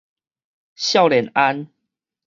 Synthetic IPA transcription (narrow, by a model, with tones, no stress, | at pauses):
ɕjɑ˥˨ʊljɛ˨˦na˦n